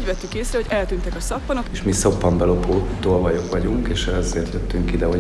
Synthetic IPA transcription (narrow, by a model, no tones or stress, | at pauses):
ɟvɛt̪ːykeːsrɛho̞ɟɛlt̪ynt̪ɛkɒsɒpːɒnokeʃmisɒpːɒmbɛlo̞poːt̪oːlvɒjokʋɒɟuŋkeːʃzeːrt̪jøt̪ːyŋkid̪ɛɦo